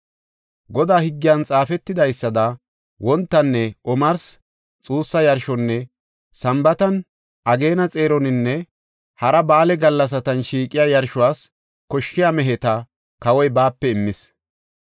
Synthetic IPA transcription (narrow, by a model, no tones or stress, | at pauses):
ɡɔd̪aːhɪɡːɪjant͡sʼaːfɛt̪ːɪd̪ɐjsːɐd̪ɐ | wɔnt̪ːɐnːɛʔɔmɐɾs | t͡sʼuːsːɐjɐɾʃɔnːɛ | sɐmbɐt̪ɐn | ʔɐɡe̞ːnɐt͡sʼe̞ːɾɔnɪnːɛ | hɐɾɐbaːlɛɡɐlːɐs̬ɐt̪ɐnʃiːkʼɪjajɐɾʃʊwaːs | kɔʃːɪjamɛɦɛt̪ɐ | kɐwɔjbaːpːɛɪmːɪs